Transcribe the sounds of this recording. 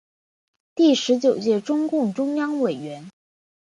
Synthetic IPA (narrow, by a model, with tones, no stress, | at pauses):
t̪i˥˩ʂɻ̩˧˥t͡ɕjo˨˩ʊt͡ɕjɛ˥˩ʈ͡ʂʊ˥ŋkʊ˥˩ŋʈ͡ʂʊ˥ŋjɑ˥ŋwe˨˩ɪɥɛ˧˥n